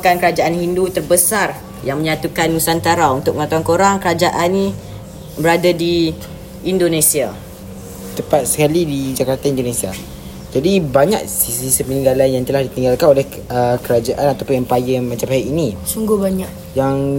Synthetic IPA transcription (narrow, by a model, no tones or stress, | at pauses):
kankəɾad͡ʒaʔanhindut̪ərbəsar | jaŋmə̃ɲat̪ukanusant̪aɾaunt̪ʊkməŋat̪uankoɾaŋkəɾad͡ʒaʔanĩ | bəɾadadiː | ndonesia | t̪əpat̪̚sə̥kalidid͡ʒakart̪aindonesia̰ | d͡ʒadibaɲak̚sisisəpənĩŋɡalanjaŋt̪əlahdit̪iŋɡalkanolɛhəkəɾad͡ʒaʔanat̪awpʊnjaŋpajəŋmat͡ʃamaiʔinisuŋɡʊhbaɲaʔ | jaŋ